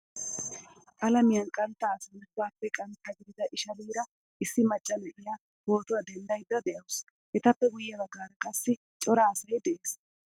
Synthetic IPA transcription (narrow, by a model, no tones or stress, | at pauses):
ʔʼɐlɐmɪjɐnkʼɐnt̪ːɐːsɐnwaːpːɛkʼɐnt̪ːɐɡɪd̪ɪzɐʔɪʃɐliːɾɐ | ʔɪsːɪmɐt͡ʃʼːɐnɛʔɪja | hoːt̪ʊwɐd̪ɛnd̪ɐjd̪ːɐd̪ɛʔɐws | hɛt̪ɐpːɛɡʊjːɛbɐɡːaːɾɐkʼɐsːɪ | t͡ʃʼɔɾaːsɐjd̪ɛʔeːs